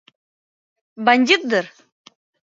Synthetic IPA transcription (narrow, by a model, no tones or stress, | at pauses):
banʲd̪ʲit̪̚d̪əɾ